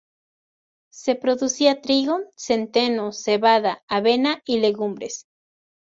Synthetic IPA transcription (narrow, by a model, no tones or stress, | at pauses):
se̞pɾoðusiat̪ɾiɣosent̪enoseβaðaːβenaileɣumbɾes